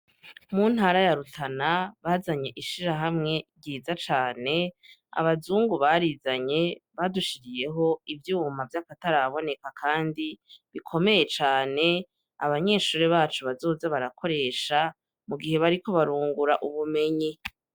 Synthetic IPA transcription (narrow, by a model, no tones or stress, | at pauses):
mun̥haːɾajaɾutʰanaβaːzaɲe̞ʔiʃiɾaɦamŋe̞ɾɟiːzat͡ʃaːne̞ | a̰βazuːŋɡuβaɾizaɲe̞βaduʃiɾije̞ɦo̞ivjuːmavjakataɾaβo̞ne̞kakʰaːndiβikʰo̞me̞je̞t͡ʃaːne̞ | a̰βaɲe̞ːʃuːɾe̞βaːt͡ʃuβazo̞ːzeβaɾakʰo̞ɾe̞ːʃa | muɡiɦe̞βaɾiko̞βaɾuːŋɡuɾaʔuβume̞ɲe